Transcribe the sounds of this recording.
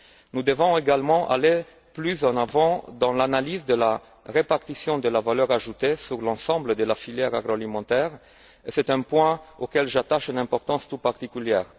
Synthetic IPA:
nud̪əvɔ̃eɡalmɑ̃ʔa̰le | plyzɑ̃navɑ̃d̪ɑ̃lanalizd̪əla | ʁepaʁt̪isjɔ̃d̪əlavalœʁaʒut̪esyʁlɑ̃sɑ̃bləd̪əlafiljɛʁaɡʁoalimɑ̃t̪ɛːʁ | esɛt̪ɛ̃pwɛ̃okɛlʒat̪aʃynɛ̃pɔʁt̪ɑ̃st̪ut̪̚paʁt̪ikyljɛːʁ

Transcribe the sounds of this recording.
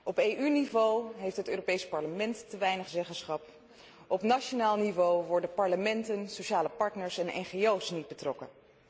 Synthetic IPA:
ɔpejʔynivowɦejftɦətøːropejspɑɹləmɛntːəʋɛjnəχzɛχəsχɑp | ɔpnat͡ʃonaːlˠnivowʋɔɹdəpɑɹləmɛntənsoʃaːləpɑɹtnəɹsɛnɛ̰nχejowsnid̚bətrɔkə̰

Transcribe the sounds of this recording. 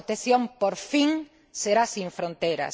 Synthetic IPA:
t̪eθjõmpoɾfiŋ | seɾasĩɱfɾõnt̪ejɾɐ̰s

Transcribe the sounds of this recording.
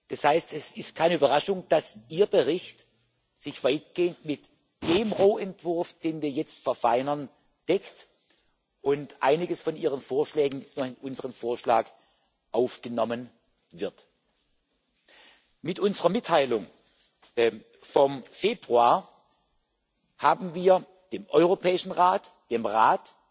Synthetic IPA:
d̥ashaɪstɛsɪstkʰaɪnəyːbɐʁaʃʊŋd̥asiːɐbəʁɪçt | z̥ɪçv̥aɪtɡ̥eːəntmɪt | d̥eːmʁoːʔɛntv̥ʊɐfd̥eːnviːɐjɛt͡stfɛɐfaɪnɐn | d̥ɛkt | ʔʊntʔa̰ɪnɪɡəsfɔnʔiːʁənfoːɐʃlɛːɡŋ̩jɛt͡stnɔχɪnʔʊnzəʁəmfoːɐʃlaːk | ʔaʊfɡ̥ənɔmən | vɪɐt | mɪtʔʊnzəʁɐmɪtʰːaɪlʊŋ | fɔmfeːbʁuaːɐ | haːbm̩viːɐ | d̥eːmʔɔʏʁopʰɛːɪʃn̩ʁaːtd̥eːmʁaːt

